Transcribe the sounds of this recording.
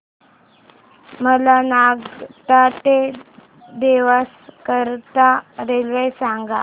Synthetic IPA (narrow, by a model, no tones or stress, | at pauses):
məlanaɡt̪at̪e | d̪eʋaskəɾt̪aɾelʋəjsãŋɡa